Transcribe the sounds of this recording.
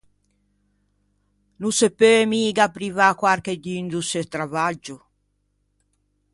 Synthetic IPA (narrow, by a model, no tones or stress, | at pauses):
nusepːemiːɡapɾivakwaɾkeɟ̪ind̪uset̪ɾavad͡ʒu